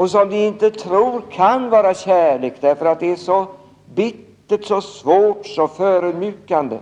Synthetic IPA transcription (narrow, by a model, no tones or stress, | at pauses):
ɔs̬ɔmd̪ɵɪnt̪ət̪ʰɾuːɾkʰanvɑːɾaɕæːɭeːkd̪æɾfœɾat̪̚d̪ɛæʂɔ | bɪt̪ːəʈsɔsvoːʈsɔføːɾʉd̪mjʏːkand̪ə̰